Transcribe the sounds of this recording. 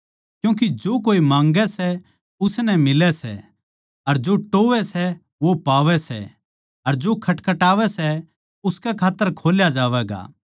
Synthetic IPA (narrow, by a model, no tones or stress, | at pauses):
kjũːk̬id͡ʒoːkoːimãːŋɡɛsɛ | ʊsnɛmɪlɛsɛ̰ | ɐɾd͡ʒoːʈoːʋɛsɛ | ʋopaːʋɛsɛ̰ | ɐɾd͡ʒoːkʰɐʈkɐʈaːʋɛsɛ | ʊskɛkʰaːt̪ːəɾkʰoːljad͡ʒaːʋɛːɡa̰ː